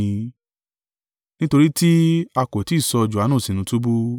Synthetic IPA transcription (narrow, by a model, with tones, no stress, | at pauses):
nĩ˦to˧ɾi˦ti˦a˧ko˨ti˨˦˨sɔ˧d͡ʒu˨a˨˦nũ˦˨si˨nũ˨˦tu˦bu˦